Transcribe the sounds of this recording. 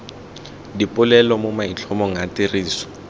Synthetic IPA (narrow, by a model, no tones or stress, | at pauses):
dipʼʊlɛlɔmomait͡ɬʰɔmɔŋ̩atiriːsɔ̥